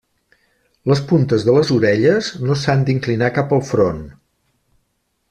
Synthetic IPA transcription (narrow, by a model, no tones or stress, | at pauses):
ləspunt̪əzðələzuɾɛʎəznosand̪iŋklinakapəlˠfɾon